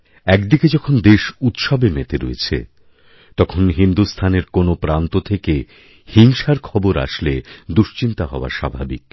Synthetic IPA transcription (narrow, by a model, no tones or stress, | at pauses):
ɛkd̪iked͡ʑɔkʰond̪eʃut̪ʃɔbemet̪eɾo̰ḛt͡ɕʰḛ | t̪ɔkʰonɦind̪ust̪ʰaneɾkonopɾant̪ot̪ʰeke | hiŋʃaɾkʰɔboɾa̰ʃled̪uʃt͡ɕint̪aɦɔoa̰ɾʃa̰bʱa̰bḭk̚